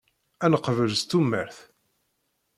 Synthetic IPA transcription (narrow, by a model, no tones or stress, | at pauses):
ænəqvəlst̪ːumːəɾθ